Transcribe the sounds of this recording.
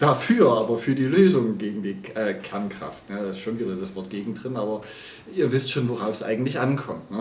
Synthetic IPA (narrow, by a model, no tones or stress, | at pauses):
d̥afyːɐʔaːbɐfyːɐdiːløːzʊŋɡeːɡŋ̩diːʔɛːkʰɛɐnkʁ̥a̰ftjaːdaɪstʃoːnviːdɐdasv̥ɔɐtɡ̥eːɡŋ̩dʁɪnaːbɐ | ʔiːɐvɪstʃoːnvoʁaʊfsʔa̰ɪɡŋ̩tlɪçʔankʰɔmtnə